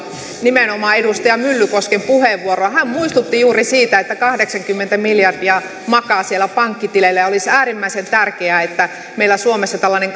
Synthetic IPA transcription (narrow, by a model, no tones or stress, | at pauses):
nimenomɑːedust̪ɑjɑmylːykoskempuheʋːuoroɑhæmmuist̪ut̪ːijuːrisiːt̪æet̪ːækɑhdeksɑŋkymːent̪æmiljɑrdiɑ | mɑkɑːsielːæpɑŋkːit̪ilelːæjɑolisæːrimːæisent̪ærkeæet̪ːæ | meilːæsuomesːɑt̪ælːɑneŋ